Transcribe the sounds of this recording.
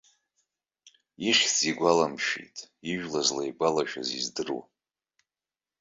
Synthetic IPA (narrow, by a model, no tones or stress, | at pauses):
iʃziɡʷalamʃḭtʼ | iʒᶣlazlaiɡʷalaʃᶣa̰zizdɨrṵ